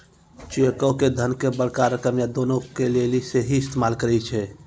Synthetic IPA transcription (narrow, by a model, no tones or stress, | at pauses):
t͡ʃiəkəked̪ʱənkebəɽkaɾəkəmjad̪onokeleliseɦiɪst̪ʰemalkəɾɛt͡ʃʰɛ